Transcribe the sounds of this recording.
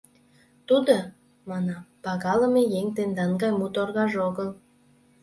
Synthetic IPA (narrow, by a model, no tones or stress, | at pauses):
t̪ud̪o | mɑnɑpɑɣɑlə̆mejeŋt̪end̪ɑnɡɑjmut̪orɣɑʒoɣəl